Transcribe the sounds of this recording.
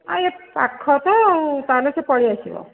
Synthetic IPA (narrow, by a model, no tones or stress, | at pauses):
a̰jepa̰kʰːɔt̪ɔːut̪alɔsepɔɭiasḭbɔ̰